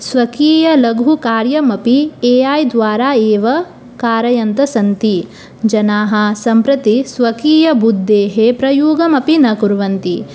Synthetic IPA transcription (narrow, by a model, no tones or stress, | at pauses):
sʋɐkiːjɐlɐɡʱukaːɾjɐmɐpieːaːjd̪ʋaːɾaːeːʋɐ | kaːɾɐjɐnt̪ɐsɐnt̪i | d͡ʒɐnaːɦɐ̆sɐmpɾɐt̪isʋɐkiːjɐbud̪ːeːɦepɾɐjuːɡɐmɐpinɐkuɾʋɐnt̪i